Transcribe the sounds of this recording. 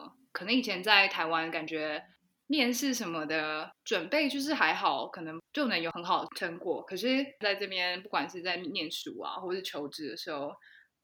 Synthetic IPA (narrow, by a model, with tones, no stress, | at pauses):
kʰɤ˨˩nɤ˧˥ŋi˨˩t͡ɕʰjɛ˧˥nt͡sa˥˩ɪt̪ʰa˧˥ɪwa˥nka˨˩nt͡ɕɥɛ˧˥ | mjɛ˥˧nʂɻ̩˥˩ʂə˧˥nmə˧d̪ə˩ʈ͡ʂwə˨˩npe˥˩ɪt͡ɕjo˥˧ʊʂ̬ɻ̩˥˩xa˧˥ɪxɑ˨˩ʊkʰɤ˨˩nɤ˧˥ŋt͡ɕjo˥˩nə˧˥njo˨˩ʊxə˧˥nxɑ˨˩ʊd̪ə˩ʈ͡ʂʰə˧˥ŋkwɔ˨˩kʰɤ˨˩ʂɻ̩˥˩t͡sa˥˧ɪʈ͡ʂɤ˥˩pjɛ˥˧npu˥˩kwa˨˩nʂɻ̩˥˧t͡sa˥˧ɪnjɛ˥˩nʂu˨˩a̰˦xwɔ˥˩ə˩ʂɻ̩˥˩t͡ɕʰjo˧˥ʊʈ͡ʂɻ̩˧˥d̪ə˩ʂɻ̩˧˥xo˥˧ʊ